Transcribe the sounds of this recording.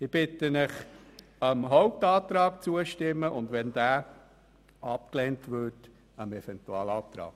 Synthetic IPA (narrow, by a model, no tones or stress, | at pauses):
ɪb̥ɪtənɪχ | əmɦoʊp̚tɑːt̪ɾɑːkt͡suəʃtɪmːəʔʊndʋɛnd̥æː | ʔɑp̚kleːntvʏt | əmɛfɛntuɑːlɑːt̪ɾɑ̰ːk